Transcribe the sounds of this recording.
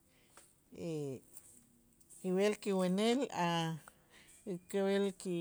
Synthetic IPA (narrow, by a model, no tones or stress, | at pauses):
e | kiwelkiwenela | kewelki